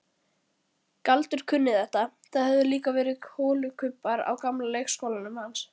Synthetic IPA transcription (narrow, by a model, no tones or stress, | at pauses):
kalt̪ʏɾ̥kʰʏnːɪθɛht̪aθaðhɛvðʏliːkavɛːɾɪhoːlʏkʰʏpːaɾa̰wkamlalejxskowlanʏmhans